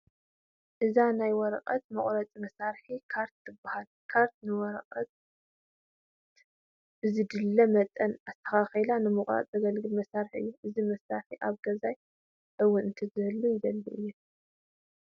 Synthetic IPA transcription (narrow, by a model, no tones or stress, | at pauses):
ʔɨzanajwɔɾɐqʼɐ̰t̪mɐχʼɾɐt͡sʼmɐsaɾħikʰaɾt̪ːɨbahal | kʰaɾt̪nɨwɔɾɐqʼɐt̪ | ʔɨzid̪ɨlːɐmɐt̪ʼːɐnast̪ʰɐ̥xaxɐlanɨmɨχʼɾa̰t͡sʼɐɡɐlɡɨlmɐsaɾħɨ̰jːuʔɨzimɐsaɾħiʔaβɡɐzaj | ʔɨwːʊnɨnt̪ʰɐzɨɨlːujɪd̪ɐlːuʔɨjːɛ